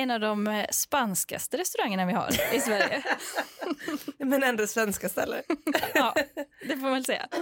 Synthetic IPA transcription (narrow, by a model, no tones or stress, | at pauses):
ɛnːavd̪ɔmspanska̰st̪əɾɛst̪ɵɾaŋːəɳavɪha̰ɾɪsvæɾjə̰ | mɛnɛnd̪asvɛnskast̪ɛ̰lːə̰ɾɑːd̪ɛfoːmavɛlsɛ̰ːa̰